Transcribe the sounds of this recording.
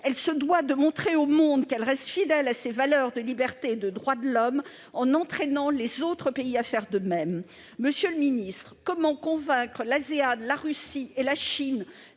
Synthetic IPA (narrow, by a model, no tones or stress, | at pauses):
ɛlsəd̪wad̪əmɔ̃t̪χeomɔ̃d̪kɛlʁɛst̪fid̪ɛlasevalœʁd̪əlibɛʁt̪ed̪əd̪ʁwad̪əlɔm | ɑ̃nɑ̃t̪χɛnɑ̃lezot̪χəpeiafɛʁd̪əmɛmː | əsjøləminist̪χəkɔmɑ̃kɔ̃vɛ̃kχəlazead̪laʁysielaʃin